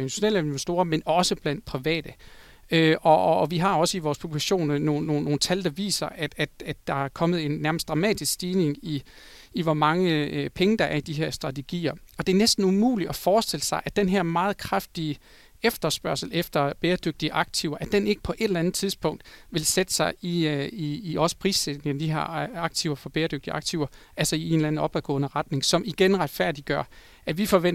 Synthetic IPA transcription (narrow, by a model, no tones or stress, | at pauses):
e̝nd̥iɕo̝nḛːlenʋesd̥o̝ːɐmenɒ̽səb̥læn̰d̥̚pʰʁiʋɛ̰ːd̥ə | øɒ̽ʋiɦɑ̈ɒ̽səiʋɒːspʰub̥likʰæɕo̝̰ːnno̝ːno̝ːno̝ːn̩t͡sʰæld̥ɑ̈ʋḭːsɐʔæ̥æd̥æd̥ːɑ̈æɐkʰɒ̽məð̞̩ˠe̝nnːæɐməsd̥ʁɑ̈mɛ̰ːd̥isɡ̥sd̥iːne̝ŋi | iʋɒmɑ̈ŋəpʰeŋəd̥ɑ̈ʔæɐid̥iɦɛɐ̰sd̥ʁɑ̈t͡sʰe̝ɡ̥ḭːɐɒ̽d̥e̝ɐnesd̥n̩umṵːliɒfɒːsd̥e̝l̰əsɑ̈ɪʔæd̥enɦe̝ɐmɑ̈ːð̩ˠkʰʁafd̥i | efd̥ɐsb̥ɶɐ̰sl̩efd̥ɐb̥eːɐd̥øɡ̥̚d̥iəʔɑ̈ɡ̥̚t͡sʰiʊɐʔæd̥ene̝ɡ̥ə̥pʰɒ̽ʔe̝ɾ̥lænð̩ˠt͡sʰiðˠsb̥ɔ̽ŋ̰d̥ʋe̝lsed̥ə̥sɑ̈ɪiiːɒ̽sə̥pʰʁḭːsed̥ne̝ŋɐd̥iɦɑ̰ɑ̈ɡ̥̚t͡sʰiʊɐfɒ̽b̥eːɐd̥øɡ̥̚d̥iɑ̈ɡ̥̚t͡sʰiʊɐ | ʔælsɐie̝ːnlænð̩ˠɒ̽b̥æɡ̥ɔ̰̽ːnəʁɑ̈d̥ne̝ŋsɒ̽miɡ̥enʁɑd̥fæɐ̰d̥iɡ̥ɶɐ | æʋifɒ̽ʋen